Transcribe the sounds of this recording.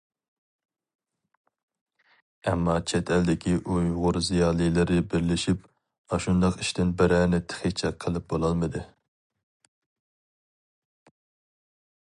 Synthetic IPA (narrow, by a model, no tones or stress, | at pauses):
ɛmːɑt͡ʃʰɛt̪ʰɛld̪ɪkʲiʔujuʁʊɾzijɑːlˠijlˠɪɾɪbɪɾlɪʃip | ɑʃund̪ɑqiʃt̪ɪnbɪɾæːnɪt̪ʰɪ̥χit͡ʃʰɛqʰəlˠɪp̚bolˠɑlˠmɨd̪ɨ